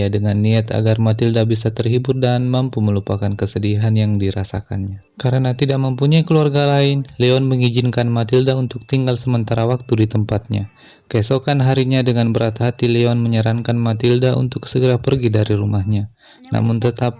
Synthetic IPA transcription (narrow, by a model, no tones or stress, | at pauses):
adəŋanːiat̪a̰ɡarmat̪ildabisat̪ərɦibʊrdanmampuməlupakankəsədiɦanjaŋdiɾasa̰ka̰nɲa | kaɾənat̪idaʔ̚məmpuɲaikəluarɡalaɪnleɔnməŋid͡ʒɪnkanmat̪ildaunt̪ʊk̚t̪iŋɡalsəmənt̪aɾawak̚t̪udit̪əmpat̪̚ɲa̰ | kəesokanɦaɾiɲadəŋanbəɾat̪ɦat̪ileɔnməɲəɾaŋkanmat̪ildaʔṵnt̪ʊksəɡəɾapərɡidaɾiɾumahɲa | na̰mʊnt̪ət̪ap̚